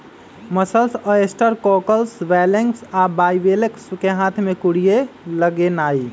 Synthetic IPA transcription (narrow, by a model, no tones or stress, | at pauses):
məsəlsəesʈəɾkɔkəlsʋɛleŋɡsabaiʋeleksukeɦãt̪ʰmekuɽijeləɡenai